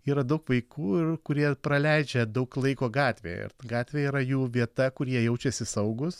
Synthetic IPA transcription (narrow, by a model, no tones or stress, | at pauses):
iːɾɐd̪ɐʊkʋɐɪkuːɪrkʊɾʲiɛpɾɐlʲɛɪd͡ʒʲɛd̪ɐʊklˠɐɪkoːɡɑːt̪ʲʋʲḛːɪ̰ɾɡɑːt̪ʲʋʲeːiːɾɐjuːʋʲiɛt̪ɐkʊɾʲiɛjɛʊt͡ʃʲɛsʲɪsɐʊɡʊs